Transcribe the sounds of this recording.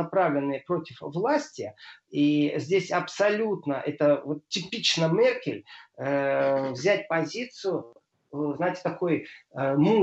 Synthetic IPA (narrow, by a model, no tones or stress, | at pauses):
ɐpɾavlʲɪnːɨpɾo̞tʲɪfvlˠasʲtʲɪizʲdʲesʲɐpsɐlʲut̪nəʔɛt̪əvo̞t̪tʲːɪpʲit͡ɕnəmʲerkʲɪlʲəvzʲætʲpɐzʲit̪sɨjʊ | znajtʲɪ̥t̪ɐko̞jəmu